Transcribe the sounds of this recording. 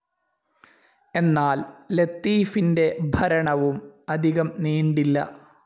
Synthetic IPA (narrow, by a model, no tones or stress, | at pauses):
e̞nːaːllet̪ːiːfinde̞bʱɐɾɐɳɐʋumɐd̪ʱiɣɐmniːɳɖilːɐ̰